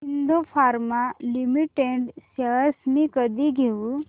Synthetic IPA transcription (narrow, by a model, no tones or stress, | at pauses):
ɦind̪ʱopʰaɾmalimiʈeɳɖsaəsmikəd̪iɡʱeu